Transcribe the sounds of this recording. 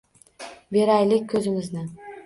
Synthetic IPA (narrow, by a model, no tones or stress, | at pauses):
be̞ɾajlɪkʲkʲːʰɵzɪmɪznɪ